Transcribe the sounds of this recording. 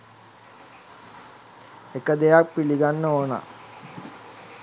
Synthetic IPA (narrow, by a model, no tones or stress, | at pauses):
ekəd̪ejak̚piliɡanːəoːna̰